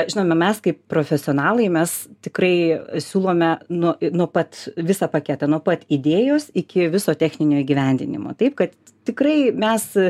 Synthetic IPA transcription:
ʒʲɪnoːmʲɛmʲɛskɐɪppɾoːfʲɛsʲɪoɔːnɑːlˠɐɪmʲɛst̪ʲɪkɾɐɪsʲuːlˠoːmʲɛnuɔnuɔpɐt̪ʋʲɪsɐpɐkʲɛt̪ɐnuɔpɐt̪id̪ʲeːjoːsɪkʲɪʋʲɪsoːt̪ʲæːxʲnʲɪnʲoːiːɡʲiʋʲɛnʲd̪ʲɪ̰nʲɪ̰mo̰ːt̪ɐɪpkɐt̪ | t̪ʲɪkɾɐɪmʲɛs

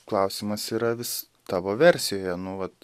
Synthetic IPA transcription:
klˠɐʊsʲɪmɐsiːɾɐʋʲɪs | t̪ɑːʋoːʋʲɛɾʲsʲɪjoːjɛnʊʋɐt̪

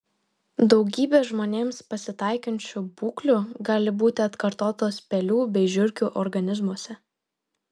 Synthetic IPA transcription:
d̪ɒʊɡʲiːbʲeːʒmoːnʲeːmspɐsʲɪt̪ɑˑɪkʲɐnʲt͡ʃʲʊbuːklʲuɡɑːlʲɪbuːt̪ʲɪɐt̪kɐɾt̪oːt̪oːspʲɛlʲuːbʲɛɪʒʲʊɾʲkʲuːʔɔɾɡɐnʲɪzmuɔsʲɛ

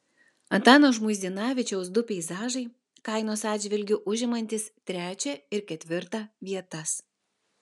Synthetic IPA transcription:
ɐnt̪ɑːnoːʒmʊɪzd̪ʲɪnɑːʋʲɪt͡ʃʲɛʊsd̪ʊpʲɛɪzɑːʒɐɪ | kɐˑɪnoːsɑːd̪ʲd͡ʒʲʋʲɪlʲɡʲʊʔʊʒʲɪmɐnʲt̪ʲɪst̪ʲɾʲæːt͡ʃʲɛɪɾkʲɛt̪ʲʋʲɪɾt̪ɑʋʲiɛt̪ɐs

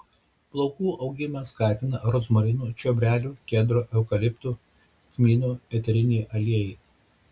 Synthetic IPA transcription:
plˠɔʊkuːʔɒʊɡʲɪmɐskɑːt̪ʲɪnɐɾɔsmɔɾʲɪnuːt͡ʃʲobʲɾʲæːlʲuːkʲɛːd̪ɾoːʔɛʊkɐlʲɪpʲt̪uː | kmʲiːnuːpʲɛt̪ʲɛɾʲɪnʲeːʔɐlʲiɛjɛ

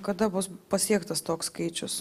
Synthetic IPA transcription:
kɐd̪ɐbʊspɐsʲiɛkt̪ɐst̪oːkskɐɪt͡ʃʲʊs

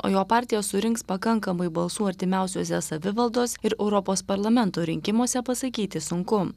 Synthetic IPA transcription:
o̰ːjoːpɑːɾʲt̪ʲɪjɛsʊɾʲɪŋkspɐkɐŋkɐmɐɪbɐlˠsuːɐɾʲt̪ʲɪmʲæˑʊsʲoːsʲɛsɐʋʲɪʋɐlˠd̪oːsɪɾɛʊɾɔpoːspɐɾlˠɐmʲɛnt̪oːɾʲɪŋʲkʲɪmoːsʲɛpɐsɐkʲiːt̪ʲɪsʊŋkʊ

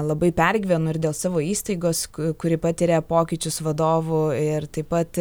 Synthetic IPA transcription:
lˠɐbɐɪpʲɛrʲɡʲʋʲɛnʊɪɾd̪ʲeːlˠsɑːʋoːiːst̪ɐɪɡoːskʊɾʲɪpɑːt̪ʲɪɾʲeːpoːkʲɪt͡ʃʲʊsʋɐd̪oːʋʊɪrt̪ɐɪpɐt̪

